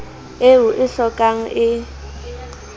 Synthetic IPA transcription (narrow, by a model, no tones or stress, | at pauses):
ewuʔɪɬɔkʼaŋ̩ʔɪ